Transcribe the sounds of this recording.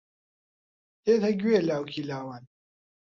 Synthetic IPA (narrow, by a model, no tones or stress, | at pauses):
eːt̪ʰɐɡʲwelaːwkʰilaːwan